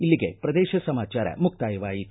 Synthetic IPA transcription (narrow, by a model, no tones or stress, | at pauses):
ilːiɡe̞̰pɾɐd̪ɛːʃɐsɐmaːt͡ʃaːɾɐ̰muk̚t̪aːjɐʋaːji